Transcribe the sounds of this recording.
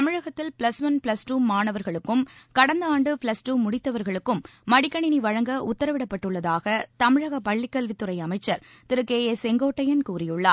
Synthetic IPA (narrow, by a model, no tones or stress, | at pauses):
t̪ɐmɪɻɐɣɐt̪ːɪlpɭɐsʋɐnpɭɐsʈuːmaːɳɐʋɐɾɣɐɭɯkːɯmkɐɽɐnd̪ɐaːɳɖɯpɭɐsʈuːmʊɽɪt̪ːɐʋɐɾɣɐɭɯkːɯmːɐɽɪkːɐɳɪniʋɐɻɐŋɡɐʔʊt̪ːɐɾɐʋɪɽɐpːɐʈːɯɭːɐðaːɣɐt̪ɐmɪɻɐɣɐpɐɭːɪkːɐlʋɪt̪ːɯɾɐɪɐmɐɪt͡ʃːɐɾt̪ɪɾɯkːeːesɛŋɡoːʈːɐjɐnkuːrɪjɯɭːaːɾ